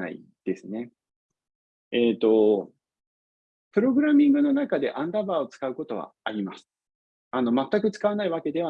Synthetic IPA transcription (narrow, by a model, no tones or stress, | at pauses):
a̰ḭ | d̪̥e̞sɨne̞ | et̪ːo̞ | pɯ̟ɾo̞ɡɯ̟ɾamʲĩŋɡɯ̟no̞nakad̪e̞ʔãnd̪abaːo̞t͡sɨ̥kaɯ̟ko̞t̪o̞βa̰ːɾʲimasɨ̥ | ano̞mat̪ːakɯ̟t͡sɨ̥kaβanaiβake̞d̪e̞β̞a